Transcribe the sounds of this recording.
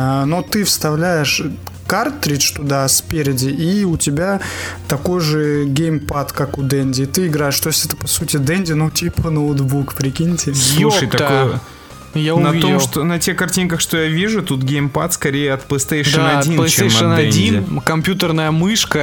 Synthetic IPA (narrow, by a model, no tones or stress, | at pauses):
not̪ɨfst̪ɐvlʲæjɪʂ | kart̪ːɾʲit͡ʃt̪ʊd̪aspʲeɾʲɪdʲɪʔiʊtʲɪbʲat̪ɐko̞jʐɨɡʲejmpat̪kakʊd̪ɛnʲdʲɪːt̪ɨɪɡɾajɪʂt̪o̞jsʲtʲɛt̪ə̥pɐsutʲɪd̪ɛnʲdʲɪnutʲipənəd̪bukpɾʲɪkʲinʲɪtʲɪsˠuʂəjt̪ɐkoj | jaʊnɐvʲiomʂt̪onɐtʲexkɐrtʲinkəxʂt̪o̞javʲiʐʊt̪ut̪ɡʲejmpat̪skɐɾʲejəɐt̪plˠəst̪ej̪ɐdʲinst͡ɕt̪ejmɐənd̪ɐɛnʲdʲinʲɪkɐmpʲjut̪ərnəjəmɨʂkə